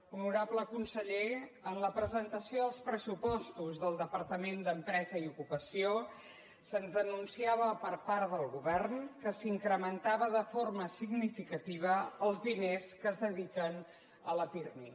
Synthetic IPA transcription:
unuɾabləkunsəʎeənləpɾəzənt̪əsioðəlˠspɾəsupɔst̪uzðəlˠd̪əpəɾt̪əmend̪əmpɾɛzəiukupəsio | sənzənunsiaβəpəɾpaɾðəlˠɣuβɛrnkəsiŋkɾəmənt̪aβəðəforməsiɡnifikət̪iβ̞əːlˠzðineskəzðəðikən | ələpirni

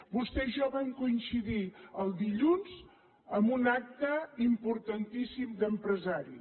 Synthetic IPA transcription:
bust̪ɛʒɔβaŋkuinsiðiəlˠd̪iʎunz | əmbunak̚t̪əimpuɾt̪ənt̪isimd̪əmpɾəzaɾi

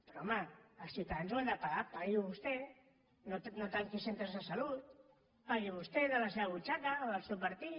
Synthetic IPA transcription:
peɾoomaːlsiwt̪aðanzwand̪apaɣapajiβust̪e | nonot̪aŋkisent̪ɾazasalut̪̚ | aɣiβust̪eðəlaseβaβut͡ʃakaðalsewpaɾt̪i

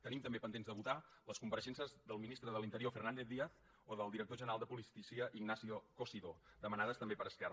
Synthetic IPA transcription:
t̪ənimt̪əmbepənd̪enzðd̪əβut̪aləskumpəɾəʃɛnsəzðəlˠminist̪ɾəðəlint̪əɾiofərnand̪eθðiəθ | oðəlˠd̪iɾək̚t̪oʒənəɾalˠd̪əpulist̪isiəʔiɡnasiokosiðod̪əmənaðəst̪əmbepəɾəskɛr

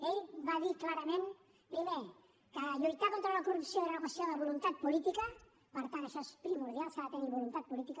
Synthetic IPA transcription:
eʎβaðiklaɾəmẽn | pɾime | kəʎujt̪akont̪ɾaunakurupsioðənuβasjoðəβulunt̪at̪̚pulit̪ikɐ | pəɾt̪anaʃɔspɾimuɾðjalˠskəβat̪eniβulunt̪at̪̚pulit̪ikə

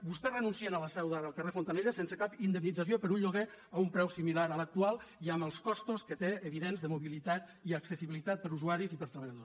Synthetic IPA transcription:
bust̪ɛrənunsienələsɛwðaðəlˠkərefont̪anejɾəsensəkapind̪əmnid͡zəsjopəɾuɲʎuɣeaumpɾɛwsimilaɾələk̚t̪ualˠiəməlˠskɔst̪uskət̪eəβ̞iðenzðəmuβilit̪at̪iəksəsiβilit̪at̪̚pəɾuzuaɾizipəɾt̪ɾəβəʎaðos

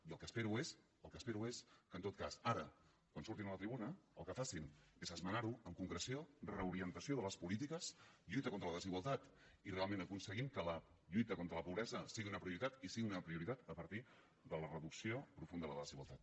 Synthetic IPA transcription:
iəlˠkəspeɾues | əlˠkəspeɾueskənt̪ot̪̚kasaɾə | kwansuɾt̪inələt̪ɾiβunəəlˠkəfasinezəzmənaɾuəŋkuŋkɾəsiorəuɾiənt̪əsioðələspulit̪̬ikəsʎujt̪əkont̪ɾələðəziɣwalˠt̪at̪ | irealˠmẽnəkunsəɣimkələ | ʎujt̪əkont̪ɾələpuβɾɛzəsiɣiunəpɾiuɾit̪at̪isiɣiunəpɾiuɾit̪at̪əpəɾt̪i | ðələrəðuksiopɾufund̪əðəðəəðəziɣwa̰lˠt̪at̪̚

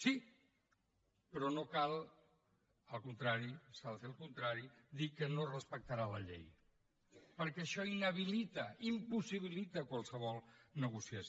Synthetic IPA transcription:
si | pɾɔnokalˠ | əlˠkunt̪ɾaɾisalˠselˠkunt̪ɾaɾid̪ikənorəspək̚t̪əɾalə̰ʎḛj | pəɾkɛəʃɔinəβ̞ilit̪əimpusiβ̞ilit̪əkwalˠsəβɔlˠnəɣusias

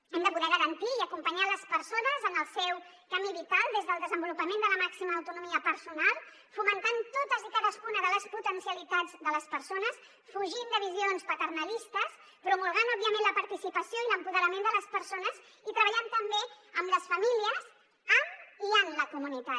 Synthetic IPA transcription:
ɛmd̪əpuðɛɣəɾənt̪iːəkumpəɲaləspəɾsonəzənəlˠsɛw | kəmiβit̪alˠd̪ezðəlˠd̪əzəmbulupəmend̪ələmaksiməːwt̪unumiəpəɾsunalˠ | fumənt̪ant̪ot̪əzikaðəskunəðələsput̪ənsiəlit̪ad͡zd̪ələspəɾsonəs | fuʒind̪əβizionspət̪ərnəlist̪əs | pɾumulˠɣanɔbːiəmẽnləpəɾt̪isipəsjoiləmpuðəɾəmend̪ələspəɾsonəz | it̪ɾəβəʎant̪əmbeəmləsfəmiliəz | əmiənləkumunit̪a

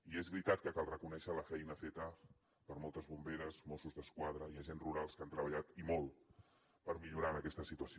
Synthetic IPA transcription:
iezβɾit̪at̪̚kəkalˠrəkunɛʃələfɛjnəfet̪ə | pəɾmɔlˠt̪əzβumbeɾəzmɔsuzðəskwað̞ɾəiaʒenruɾalˠskant̪ɾəβəʎat̪imɔlˠ | pəɾmiʎuɾanəkɛst̪əsit̪uəs

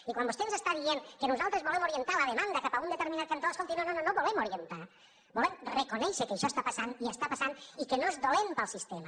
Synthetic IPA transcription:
ikwambost̪enzest̪aðieŋkenuzalˠt̪ɾezβolemoɾient̪alɐðemand̪əkapaund̪et̪eɾminat̪̚kant̪oskont̪inonononoβolemoɾient̪a | bolemrekonɛʃekeʃɔst̪apasaniəst̪apasanikenozðolempəlˠsist̪ema

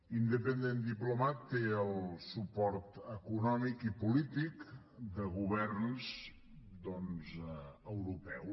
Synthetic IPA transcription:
ind̪əpənd̪end̪iplumat̪ːeəlˠsupɔɾt̪əkunɔmikipulit̪ik | d̪əɣuβɛrnz | d̪ɔnzəwɾupɛw

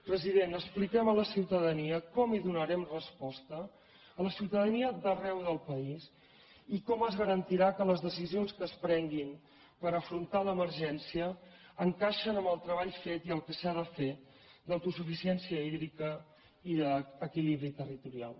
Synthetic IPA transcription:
pɾəziðenəsplikɛmələsiwt̪əðəniəkɔmiðunəɾɛmrəspɔst̪əː | ləsiwt̪əðəniəd̪ərɛwðəlˠpəis | ikɔməzɣəɾənt̪iɾakələzðəsizionskəspɾɛŋɡim | pəɾəfɾunt̪aləməɾʒɛnsiəː | ŋkaʃənəmbəlˠt̪ɾəβaʎfet̪iəlˠkəsaðəfe | d̪ət̪usufisiɛnsiəiðɾikə | iðəəkiliβɾit̪ərit̪uɾia̰lˠ

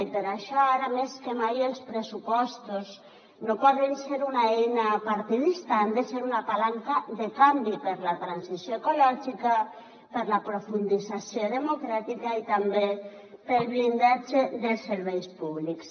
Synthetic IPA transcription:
peɾaʃɔaɾameskemajelspɾesupɔst̪oz | nopɔðenseɾunaɛnapaɾt̪iðist̪and̪eseɾunapalaŋkaðekambipeɾlat̪ɾansisjoekolɔʒika | peɾlapɾofund̪izasjoðemokɾat̪ikait̪ambe | pelβlind̪ad͡ʒeðelsːeɾβɛjspuβliks

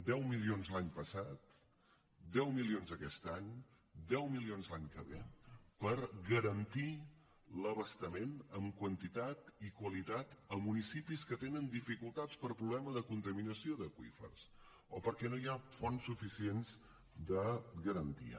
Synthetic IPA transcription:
d̪ɛwmilionzlˠaɲpəsat̪ | d̪ɛwmilionzəkɛst̪aɲ | d̪ɛwmilionzlaɲkəβḛpəɾɣəɾənt̪i | ləβəst̪əmenəmkwənt̪it̪at̪ikwəlit̪at̪əmunisipiskət̪enənd̪ifikulˠt̪at͡spəɾpɾuβlɛməðəkunt̪əminəsioðəkwḭfə̰rs | opəɾkɛnojafonsːufisienz | d̪əɣəɾənt̪ḭə̰

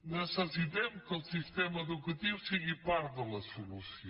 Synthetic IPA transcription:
nɛsɐziðẽmkɐlˠsiʃt̪emɐeðukɐt̪ivusiɣipaɾðɐlˠɐsulus

